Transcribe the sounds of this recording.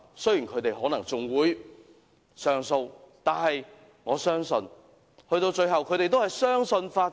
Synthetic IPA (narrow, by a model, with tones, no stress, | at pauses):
sɵ˥ɥji˨˩nkʰɵ˨˧ɥt̪e˨jhɔː˨˥nɐ˨˩ŋt͡sʊ˨ŋwuː˨˧j | sœː˨ŋso˧wt̪aː˨nhɐ˨j | ŋɔː˨˧sœː˥ŋsɵ˧n | hɵ˧ɥt̪o˧wt͡ʃɵ˧ɥɦɐ˨wkʰɵ˨˧˥t̪e˨jt̪o˥whɐ˨jsœː˥ŋsɵ˧nfaː˧